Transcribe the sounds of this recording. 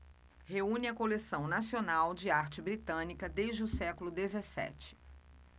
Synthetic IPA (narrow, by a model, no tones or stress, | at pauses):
heũnɪɐkolesɐ̃w̃nasionawd͡ʒɪaɾt͡ʃɪbɾit̪ɐ̃nikɐd̪eʒd͡ʒɪʊsɛkʊlʊd̪ezesɛ̰t͡ʃɪ̥